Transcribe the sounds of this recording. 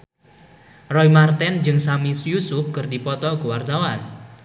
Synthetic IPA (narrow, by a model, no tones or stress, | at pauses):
rɔimart̪ɛnd͡ʒɨŋsamisjusʊf̚kɨrdipɔt̪ɔkuwart̪awan